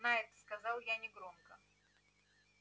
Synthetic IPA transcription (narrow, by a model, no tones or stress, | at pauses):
najɛt̪skɐzalˠjanʲɪɡɾomkə